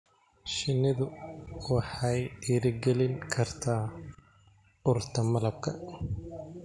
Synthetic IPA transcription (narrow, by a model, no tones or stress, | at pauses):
ʃɪnːɪðʊwɑħɑjiːɾɪɡɛlɪŋkʰɐrt̪ʰaː | ʊrt̪ʰɐmɐlɐb̚kʰɐ